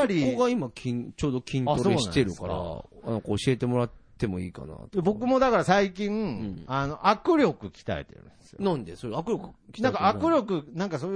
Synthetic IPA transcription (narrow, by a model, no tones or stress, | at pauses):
aɾʲioɡaimakʲʰĩt͡ɕo̞ːd̪okʲʰĩnoɾsoeːnɕit̪eɾɯkaɾa̰nãŋkaːɕie̞t̪e̞moɾat̪ːe̞mo̞ḭːka̰na̰t̪bo̞k̬ɯ̟mo̞d̪akaɾasaikʲĩŋ̃ano̞ʔakɯ̟ɾʲo̞kɯ̟kʲi̥t̪a̰ḛt̪ḛɾɯ̟̰̃nd̪esɨjonãnd̪esoɾakɯɾʲokɯ̥kʲi̥nãŋkaakɯ̟ɾʲo̞kɯ̟nãŋkasoː